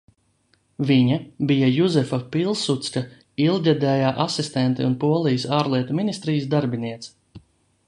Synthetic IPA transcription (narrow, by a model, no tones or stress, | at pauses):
viɲabijajuzɛfapilˠsut̪ska | ilˠɡʲad̪ɛːjaːʔasist̪ɛnt̪ḭunpuɔlˠijisaːɾlˠiɛt̪uminist̪ɾiːjsd̪aɾbiniɛt̪s